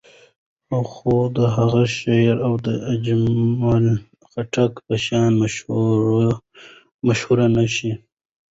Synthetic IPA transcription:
awxod̪əɦaɣaʃaɾawd̪əad͡ʒmɑl | xaʈʰakpəʃɑːnm | maʃhuɾanaʃi

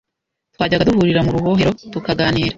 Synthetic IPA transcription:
twaːɟaɡaduhuɾiɾamuɾuho̞ːɦe̞ɾo̞tukaɡaːniːɾa

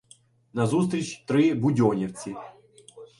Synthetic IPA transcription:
nɐzus̬t̪ɾʲɪt͡ɕt̪ɾɨbʊdʲonʲɪft͡sʲɪ

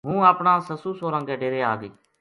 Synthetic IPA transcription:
ɦũːaːpɳãːsəsuːsoːɾãːɡeːɖeːɾeːaːɡeː

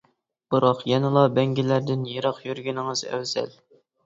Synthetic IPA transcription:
b̥ɨɾɑqjɛnɪlˠɑbɛŋɡʲɪlæɾd̪ɪnjeɾɑqjyɾɡʲinɪŋɨz̥æ̰wz̥ɛ̰l

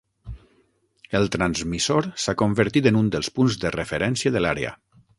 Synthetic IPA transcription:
əlˠt̪ɾanzmisoɾsakombəɾt̪it̪ənund̪əlˠspunzðərəfeɾɛnsiəðəlaɾeə̰

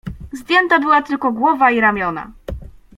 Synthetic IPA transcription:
zd̪jɛnt̪abɘwat̪ɘlkɔɡwɔvaiɾamʲjɔna̰

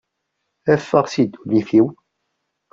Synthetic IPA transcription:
æfːəʁsid̪ːulifiw

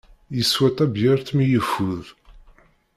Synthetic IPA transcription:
jəswæt̪æbjəɾθmijəfːuð

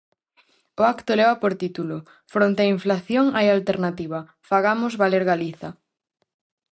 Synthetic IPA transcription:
ʊakt̪ʊlɛβɐpoɾt̪it̪ulʊ | fɾont̪eɪaiɱflaθjoŋajalt̪eɾnat̪iβɐ | faɣamʊzβaleɾɣaliθɐ

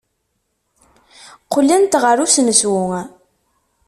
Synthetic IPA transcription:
qʊlːænt̪ʁəɾusnəswʊŋ

